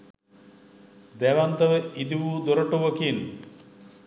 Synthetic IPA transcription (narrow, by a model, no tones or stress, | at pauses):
d̪ɛʋant̪ɐʋəid̪iʋuːd̪oɾəʈuʋəkin